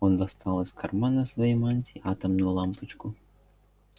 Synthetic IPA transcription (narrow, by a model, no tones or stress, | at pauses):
ond̪ɐst̪ɑlˠəsʲkɐrmanɐsvɐjejmanʲt̪ʲiat̪ɐmnulˠɑmpɨt͡ʃkʊ